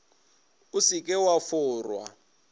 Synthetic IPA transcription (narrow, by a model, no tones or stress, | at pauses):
usikʼɛwafʊːrwa̰